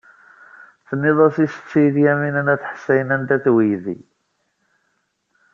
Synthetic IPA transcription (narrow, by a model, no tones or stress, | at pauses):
θnːɪðˤɑsisə̥t͡sːijðjæminænæθħə̥sːæjənænt̪æθwijðḭ